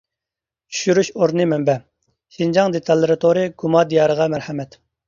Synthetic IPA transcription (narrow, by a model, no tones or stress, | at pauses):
t͡ʃʰy̥ʃyɾyʃoɾnɨmɛmbɛ | ʃind͡ʒɑŋd̪et̪ʰɑlˠːɨɾɨt̪ʰoɾɨɡumɑd̪ijɑːɾəʁɑmæɾhɛmɛt̪